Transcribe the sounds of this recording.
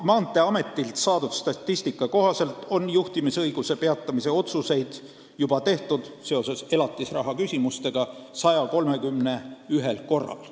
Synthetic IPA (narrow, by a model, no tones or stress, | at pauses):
mɑːnt̪ːˑe̞ɑme̞t̪ˑːilt̪sɑːd̪ud̪̥st̪ɑt̪ːisʲt̪ikːˑɑko̞ɦɑse̞lt̪ˑo̞njuht̪imisɤ̞jɡ̥use̞pe̞ɑt̪ˑːɑmise̞o̞t̪suse̞jd̪̥ | jub̥ɑt̪e̞ht̪ud̪̥se̞o̞se̞se̞lɑt̪ːˑisrɑɦɑkysʲimust̪e̞ɡ̥ɑsɑjɑko̞lme̞kymne̞yɦe̞lko̞rːɑ̰l